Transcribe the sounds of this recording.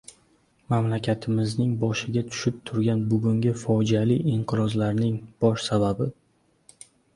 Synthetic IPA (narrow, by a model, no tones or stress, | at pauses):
mamlakʲat̪ʰɪmɪznɪŋbɒʃɪɡʲat̪ʰʊ̥ʃɪp̚t̪ʰʊɾɡʲanbʊɡʲʊŋɡʲɪfɒd͡ʒialiɪɴqʰɨɾɒzlaɾnɪŋb̥ɒʃsababɪ